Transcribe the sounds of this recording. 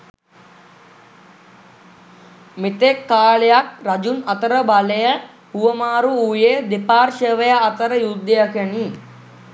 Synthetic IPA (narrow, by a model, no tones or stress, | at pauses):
mit̪ekːaːɭejak̚rad͡ʒunɐt̪əɾəbalejə | huʋəmaːɾuujed̪epaːrʃəʋəjaːt̪əɾəjud̪ːəjakəni